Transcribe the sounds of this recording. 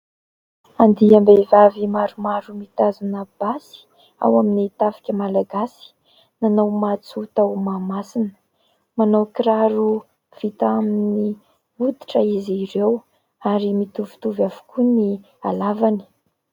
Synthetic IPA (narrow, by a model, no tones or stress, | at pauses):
and̪iambevavimaɾumaɾumit̪azunab̥asi̥ | a̰waminit̪afḁkʲəmalaɡasi̥ | nanawmat͡sut̪awmamasinə̥ | manowkiɾaɾu | v̥it̪aminni | ud̪i̥ʈ͡ʂəizirew | aɾimit̪uvi̥t̪uvavu̥kuni | alavani̥